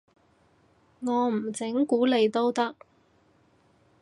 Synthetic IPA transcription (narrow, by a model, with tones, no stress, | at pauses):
ŋɔː˨˧m̩˨˩t͡sɪ˨˥ŋkuː˨˥le˨˧jt̪o˥wt̪ɐ˥k̚